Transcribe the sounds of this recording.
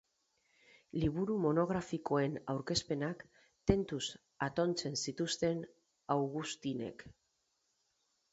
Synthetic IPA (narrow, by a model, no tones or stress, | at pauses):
liβ̞uɾumo̞no̞ɣ̞ɾafiko̞e̞nawɾke̞spe̞nak | t̪e̞nt̪us | at̪o̞nt͡se̞nsit̪ust̪e̞n | awɣust̪ine̞̰k